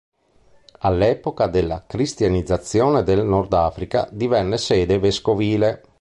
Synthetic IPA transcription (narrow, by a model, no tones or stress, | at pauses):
alːɛːpokad̪elːakɾist̪janid̪zːat̪sːjoːned̪elnɔrd̪aːfɾika̰d̪ivɛnːesɛːd̪eveskoviːle